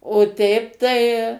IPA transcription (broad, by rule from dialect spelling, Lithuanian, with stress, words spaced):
oː ˈtʲɛɪp tɐɪ